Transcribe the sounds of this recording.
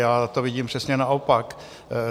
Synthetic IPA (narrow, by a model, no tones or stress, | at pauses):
jaːt̪ovɪɟiːmpr̥ɛsɲɛnaʔopak